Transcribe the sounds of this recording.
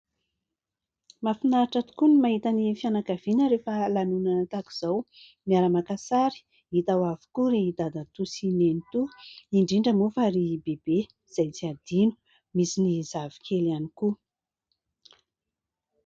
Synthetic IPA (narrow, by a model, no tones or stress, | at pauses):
mafinaʈ͡ʂat̪u̥kunimaɦit̪anifianakav̥inəɾefəlanunanat̪aki̥z̥aw | miaɾamakasaɾi̥ | it̪awavu̥kuɾid̪ad̪at̪usinenit̪uiɳɖ͡ʐiɳɖ͡ʐəmufaɾibeb̥e | z̥ajt͡siad̪inu̥ | misinizavi̥kʰelaniku